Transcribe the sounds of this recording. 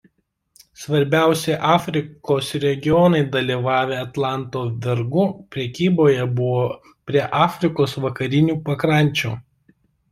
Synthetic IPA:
sʋɐɾʲbʲæˑʊsʲɛɪʔɑːfʲɾʲɪkoːsɾʲɛɡʲɪjɔnɐɪd̪ɐlʲiːʋɑːʋʲeːɐt̪lˠɑˑnt̪oːʋʲɛɾɡʊpʲɾʲɛkʲiːboːjɛbʊʋoː | pʲɾʲiɛʔɑːfʲɾʲɪkoːsʋɐkɐɾʲɪnʲuːpɐkɾɐˑnʲt͡ʃʲṵː

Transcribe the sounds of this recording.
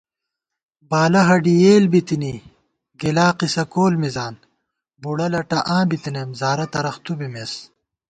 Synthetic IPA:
baːlɐɦɐɖijeːlbit̪ini | ɡelaːqisɐkoːlmizaːn | buɽɐlɐʈɐʔãːbit̪inemzaːɾɐt̪ɐɾɐxt̪ubimes

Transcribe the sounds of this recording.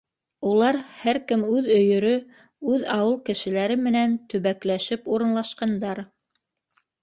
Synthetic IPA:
ulˠɑɾhæɾkɘmʉðɵ̆jɵ̆ɾɵ | ʉðɑwɤlˠkɘ̆ʃɘ̆læɾɘmɘ̆nænt̪ɵ̆βæklæʃɘpuɾɤ̆nlˠɑʃqɑnd̪ɑɾ

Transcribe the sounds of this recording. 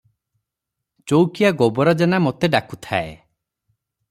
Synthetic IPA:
t͡ʃowkijaɡobɔɾɔd͡ʒenamot̪eɖaku̥t̪ʰa̰ḛ

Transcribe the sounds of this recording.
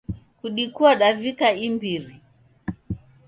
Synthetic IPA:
kuɗikuaɗavikaimbiɾi

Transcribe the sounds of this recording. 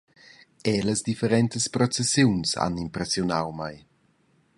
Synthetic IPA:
ɛləzd̪ifeɾɛnt̪əspɾɔt͡sesjunsa̰nimpɾesjunawmaj

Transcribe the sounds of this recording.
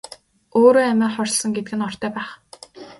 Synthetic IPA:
oːɾoːæmæːχɔrʲsɞ̆ŋɡet̪ɘ̆ɡɘ̆nɔr̥t̪ʰœːpæːχ

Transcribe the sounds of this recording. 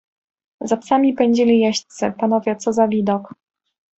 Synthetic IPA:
zapsamʲipɛɲd͡ʑilʲijɛɕt̪sɨ̰panɔvʲjɛt̪sɔzavʲid̪ɔk

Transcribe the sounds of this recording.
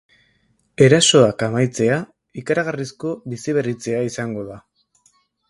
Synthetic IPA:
e̞ɾaso̞akamajt͡se̞a | ikaɾaɣ̞arisko̞βisiβ̞e̞rit͡se̞aisaŋɡo̞ða

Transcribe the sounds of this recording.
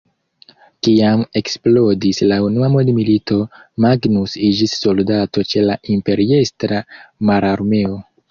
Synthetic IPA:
kiame̞ksplo̞dislaunuamodmilito̞maɡnusid͡ʒisːo̞ldato̞t͡ʃe̞laʔimpe̞ɾie̞stɾamaɾaɾmeo

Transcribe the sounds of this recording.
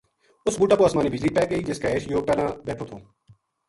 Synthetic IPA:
ʊsbuːʈaːpoːəsmaːniːbʱɪd͡ʒliːpɛːɡəiːd͡ʒɪskaːeːʃjoːpɛːlãːbɛːʈʰoːt̪ʰoː

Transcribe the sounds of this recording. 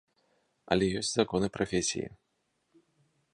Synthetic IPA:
ɐ̰lʲɛjɔsʲtʲt͡sʲzakɔnɨpɾafʲesʲḭjḭ

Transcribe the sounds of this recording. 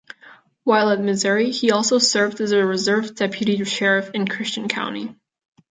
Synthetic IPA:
waɪlˠət̚mɨzʊɹiiɔlˠsoʊsɜ˞vdɨzɨɹɨzɜ˞vdɛpʰjɨɾiɾɨ̥ʃɛɹɨfɨ̃nkʰɹ̥ɪst͡ʃɨ̃n̩kʰã̰ʊ̃ñḭ

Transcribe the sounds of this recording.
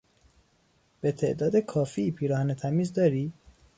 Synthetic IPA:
b̥e̞t̪ʰe̞̰ʔd̪ɒːd̪ekʰɒːfiːpʰiːɾɒːhænet̪ʰæmiːzd̪ɒːɾi

